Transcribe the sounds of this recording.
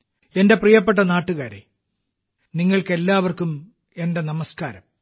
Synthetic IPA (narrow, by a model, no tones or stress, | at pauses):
e̞nde̞prijɐp̬ːeʈ̬ːɐnaːʈːuɣaːɾḛ | niŋːɐɭke̞lːaːʋɐrkum | e̞nde̞nɐmɐskaːɾɐm